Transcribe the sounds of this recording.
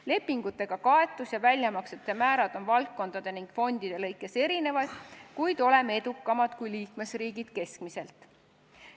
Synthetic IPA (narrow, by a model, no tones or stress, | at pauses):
le̞pːiŋɡ̥ut̪ːˑe̞ɡ̥ɑkɑe̞t̪ːˑusjɑvælʲjɑmɑkset̪ːˑe̞mæːɾɑd̪̥o̞nvɑlt̪̚kːo̞nd̪̥ɑd̪̥e̞niŋɡ̥fo̞nʲd̪̥id̪̥e̞lɤ̞jkːˑe̞se̞ɾine̞vɑjd̪̥kujd̪̥o̞le̞med̪̥ukˑːɑmɑd̪̥kujliːkme̞sriːɡid̪̥ke̞skmise̞lt̪ˑ